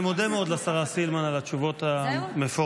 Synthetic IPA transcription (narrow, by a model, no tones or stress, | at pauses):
mo̞d̪emeo̞d̪leasaʁasilmanalat͡ʃuvo̞t̪amefo